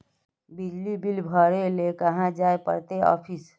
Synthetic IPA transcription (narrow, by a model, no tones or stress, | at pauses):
bid͡ʒlibilbʱəɾelekəɦãd͡ʒaːepə̰ɾt̪eɔ̰ːpʰis